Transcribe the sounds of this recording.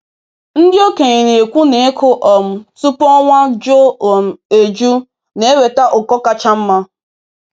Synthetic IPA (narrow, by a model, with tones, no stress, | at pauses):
n̩˦dɪ˦o˦ke˨ɲi˨ɾe˨kʷu˦ne˨e˦kʰʊ˦ʔɔ˨m̩˨tu˦pɔ˦ŋʷa˦d͡ʒo˦o˨m̩˨e˨d͡ʒu˦ | ne˦e˦we˨ta˦ʔʊ˨kɔ˦ka˦t͡ʃa˦m̩˦ma˦